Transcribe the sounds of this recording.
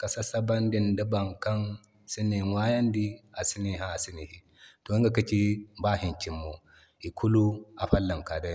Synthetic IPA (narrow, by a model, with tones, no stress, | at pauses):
ka˨sa˦sa˦ba˦ndi˨nda˦ba˨ŋka˦n | si˦ni˨ŋwa˦ja˦ndi˦a˨si˦ni˨ɦa˦a˨si˦ni˨hi˨ | to˨i˦ŋɡa˨kɐ˦t͡ʃi˦ba˦ɦi˨nt͡ʃi˨mːo˨ | i˨kʰu˦lu˦a˨ɸa˦lːa˨ŋka˨da˦˨